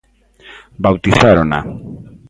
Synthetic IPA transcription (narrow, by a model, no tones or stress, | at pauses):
bawt̪isaɾona̰